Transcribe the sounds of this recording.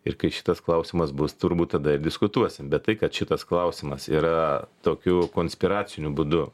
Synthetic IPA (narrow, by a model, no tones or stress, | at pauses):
ɪɾkɐɪʃʲɪ̥t̪ɐsklˠɐʊsʲɪmɐsbʊst̪ʊɾbuːt̪̚t̪ɐd̪ɐɪɾdʲɪskʊt̪uɔsʲɪmbʲɛt̪t̪ːɐɪkɐt̪ʃʲɪt̪ɐsklˠɐʊsʲɪmɐsḭːɾɐt̪oːkʲukoːnʲsʲpʲɪɾɑːt͡sʲɪnʲʊbʊd̪ʊ